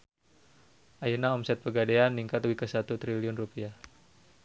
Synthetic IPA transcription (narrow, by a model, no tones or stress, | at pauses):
ʔajənaɔmsɛt̪̚pəɡadeanːiŋkat̪wikəsat̪ut̪ɾiliʊnrupiah